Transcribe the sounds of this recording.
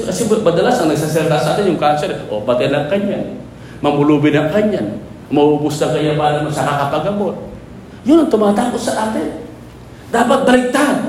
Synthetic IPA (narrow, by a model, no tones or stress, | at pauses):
kɐsɛmɐd̪ɐlasɐŋnɐɡ̚sasɐlt̪asɐʔaːt̪ɪnjʊŋkansɛɾʔobɐt̪ɪanɐŋkɐɲan | mɐmʊluːbɪnɐŋkɐɲːan | mɐʔuːbʊsnɐkɐjapaːɾɐnosɐkakɐpɐɡɐmot̪̚ | jʊnɐŋt̪ʊmaːt̪aːkot̪sɐʔaːt̪ɪn | d̪aːpɐt̪̚bɐlɪt̪an